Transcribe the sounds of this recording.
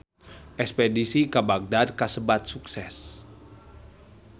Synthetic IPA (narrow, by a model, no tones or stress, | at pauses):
ʔɛkspedisikabak̚dad̪̚kasəbat̪̚suksɛs